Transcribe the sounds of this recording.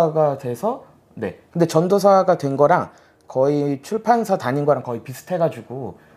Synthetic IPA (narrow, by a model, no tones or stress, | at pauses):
ɡadwe̞sʰʌ | ne̞̰kɯnde̞t͡ɕʌndos̬ʰaɡadwe̞nɡʌɾaŋ | kʌit͡ɕʰuɭpʰansʰataɲinɡʌɾaŋkʌipisʰɯ̥tʰe̞ɡad͡ʑuɡo